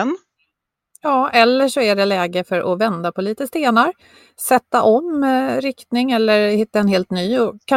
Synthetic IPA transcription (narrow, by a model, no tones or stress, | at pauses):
n | jɑːʔɛlːəʂɔæɖɛlɛːɡəfœɾʔɔvɛnd̪apʰɔliːt̪əst̪eːnaɾ | sɛt̪ːaʔɔmɾɪkt̪nɪŋɛlːəɾhɪt̪ːaɛnɦeːlt̪nyːɔkʰa